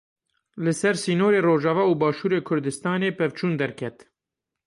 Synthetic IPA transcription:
lɨsɛɾsiːnoːɾeːroːʒɑːvɑːuːbɑːʃuːɾeːkʰʊɾd̪ɨst̪ɑːneːpʰɛvt͡ʃʰuːnd̪ɛɾkʰɛt̪

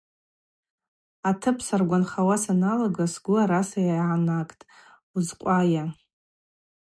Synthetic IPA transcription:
atʰɨpʰsarɡʷanχawasanaloɡasɡʷʊaɾasajaʕanakʼtʼ | uzqʷʼaja

